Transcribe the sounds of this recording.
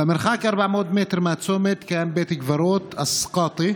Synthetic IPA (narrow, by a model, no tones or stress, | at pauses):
mɪɾxaːkʔɑɾˤbaʕmoːd̪mɪt̪ɾmat̪soːmɪt̪kaːnbeːt̪ɪkvɑɾoːt̪ʔɑsˤqɑːt̪ˤi